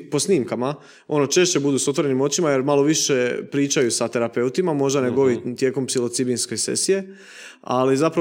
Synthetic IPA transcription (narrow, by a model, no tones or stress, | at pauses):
po̞sniːmkama | o̞no̞t͡ʃe̞ʃt͡ɕe̞bud̪uːsot̪ʋo̞ɾe̞nimo̞t͡ɕimaje̞ɾmalo̞ʋiʃe̞pɾiːt͡ʃajusat̪e̞ɾape̞ut̪imamo̞ʒd̪ane̞ɡo̞ʋit̪je̞ːko̞mpsilo̞t̪sibinske̞sḛsije̞ | a̰lizapɾa